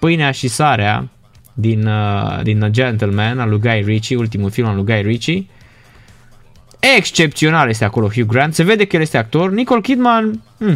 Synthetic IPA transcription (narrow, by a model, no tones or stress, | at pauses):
pɨjneaʃisaɾea̰ | d̪inəd̪inəd͡ʒent̪əlmɛnalujɡajrit͡ʃiult̪̬imulfilmalujɡajrit͡ʃi | ekst͡ʃe̞p̚t̪sio̞naljest̪eako̞lo̞ɦjuɡɾand̪se̞ve̞d̪ekəjelje̞st̪eak̚t̪o̞rniko̞lkid̪man | m̩